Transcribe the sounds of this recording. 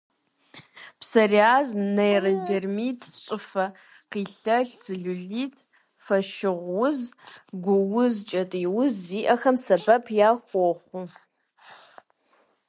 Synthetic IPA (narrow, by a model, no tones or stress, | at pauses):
pʰsɐriaːznɐjrɐdermitʰt͡sʷʼɨfɐ | qiːɬɐɬt͡sɨɮuɮiːtʰʼ | fɐʃɪʁʷwʊzɡʷʊwʊzt͡ʃʼɐtʼiwʊzːiːʔɐxɐmsɐbɐpʰjaːχʷɔχʷu